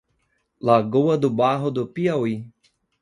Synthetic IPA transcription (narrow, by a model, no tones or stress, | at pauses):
laɡowɐd̪ʊbaɦʊd̪ʊpiawi